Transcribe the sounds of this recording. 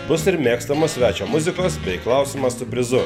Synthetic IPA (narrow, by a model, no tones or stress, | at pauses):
bʊsɪɾmʲeːkst̪ɐmoːssʲʋʲæːt͡ʃʲoːmʊzʲɪkoːsbʲɛɪklˠɑˑʊsʲiːmɐssʊpʲɾʲɪzʊ